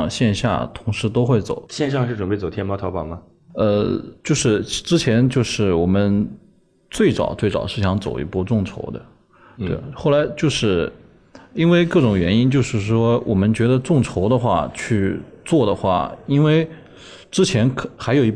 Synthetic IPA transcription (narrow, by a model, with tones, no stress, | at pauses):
ɕjɛ˥˧nɕja̰˥˩t̪ʰʊ˧˥ŋʂɻ̩˧˥t̪o˥ʊxwe˥˩ɪt͡so̰˨˩˦ʊɕjɛ˥˧nɕ̬jɑ˥˧ŋʂɻ̩˥˩ʈ͡ʂə˨˩mpe˥˩ɪo˨˩t̪ʰjnmɑ˥t̪ʰɑ˧˥ʊpɑ˨˩mɐ˦ | ə̰˧t͡ɕjo˥˧ʊʂɻ̩˥˩˧ʈ͡ʂɻ̩˥t͡ɕʰjɛ˧˥nt͡ɕjo˥˧ʊʂɻ̩˥˩wɔ˨˩mə˦n | t͡swe˥˩ɪt͡sɑ̰˨˩ʊt͡swe˥˩ɪt͡sɑ̰˨˩ʊʂɻ̩˥˩ɕjɑ˧˥ŋt͡so̰˨˩ʊi˧˥pu˥˧ʈ͡ʂʊ˥˩ŋʈ͡ʂʰo̰˧˥ʊd̪ə̰˧ | t̪wḛ˥˩ɪxo˥˩ʊla˧˥ɪt͡ɕjo˥˧ʊʂɻ̩˥˩ | i˥nwe˥˧ɪkɤ˥˩ʈ͡ʂʊ˨˩ŋɥɛ˧˥ni˥nt͡ɕjo˥˧ʊʂɻ̩˥˩ʂwɔ˥wʔɔ̰˨˩mə˦nt͡ɕɥɛ˧˥d̪ə˧ʈ͡ʂʊ˥˩ŋʈ͡ʂʰo˧˥ʊd̪ə˧xwa̰˥˩t͡ɕʰy˥˧t͡swɔ˥˩d̪ə˩xwa̰˥˩i˥nwe˥˧ɪ | ʈ͡ʂɻ̩˥t͡ɕʰjɛ˧˥nkʰxa˧˥ɪjo˨˩ʊi˧˥